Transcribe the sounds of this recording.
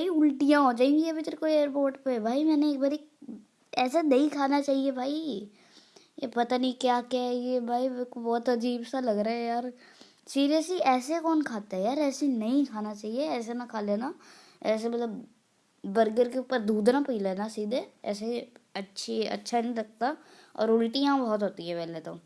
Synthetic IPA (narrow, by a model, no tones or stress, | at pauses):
baiʊlʈijãod͡ʒaːĩŋɡiɐbʱit̪əɾkoieːɾpoːɾʈpebʱaːimɛ̃ːneeːk̚baːɾek | ɛːsanɐĩkʰaːnat͡ʃaːɦiebʱaːi | epɐt̪anĩkjaːkjajebʱaːikobɔːt̪ɐd͡ʒiːbsalɐɡɾaːɦɛjaːɾ | siːɾijəsliʔɛːsekɔːnkʰaːt̪aɦɛjaːɾɛːsenɐɦĩkʰaːnat͡ʃaːɦieɛːs̬enakʰaːleːna | ɛːs̬emɐt̪ləbː | əɾɡəɾkeupːəɾd̪uːd̪ɾãpiːleːnasiːd̪eɛ̰ːseɐtːʃʰiɐ̰tːʃʰanĩɾɐk̚t̪a | ɔ̰ːɾʊlʈiãbɔɦt̪ɦoːt̪iɦɛpɛːlet̪õː